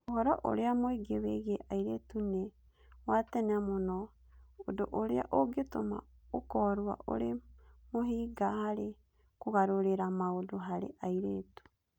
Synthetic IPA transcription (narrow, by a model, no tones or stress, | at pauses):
ohɔɾɔʔo̰ɾeamoiɡeβeɣeʔaiɾetune | watɛnamonɔ | odoʔoɾea̰ʔoɡetoma̰okɔɾwa̰ʔo̰ɾemoɦiːɡahaɾe | koɣaɾoɾeɾamaodoɦaɾḛʔaiɾeːtu̥